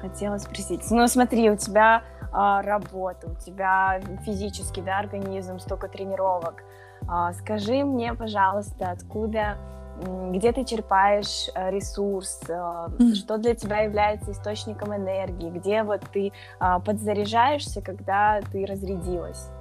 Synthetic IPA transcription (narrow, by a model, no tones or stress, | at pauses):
xɐtʲelˠəsʲspɾɐsʲitʲnusmɐt̪ɾʲiʊtʲɪbʲa | əɾɐbot̪əʊtʲɪbʲafʲɪzʲit͡ɕɪskʲɪjd̪aɐrɡɐnʲizmst̪okət̪ɾʲɪnʲɪɾo̞vək | əskɐʐɨmnʲe̞pɐʐɑlˠəst̪əɐt̪kud̪ə | ɡdʲe̞t̪ɨt͡ɕɪrpajɪʂəɾʲɪsursəʂt̪o̞d̪lʲətʲɪbʲajɪvlʲæjɪt̪səɪst̪o̞t͡ɕnʲɪkəmɨnɛrɡʲɪːɡdʲe̞vo̞t̪ːɨ | əpəd̪zəɾʲɪʐajɪʂsʲəkɐɡd̪at̪ɨɾəzɾʲɪdʲilˠə̰sʲ